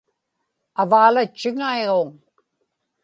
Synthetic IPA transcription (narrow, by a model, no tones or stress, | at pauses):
avaːlat͡ʃːɪŋaeɣoŋ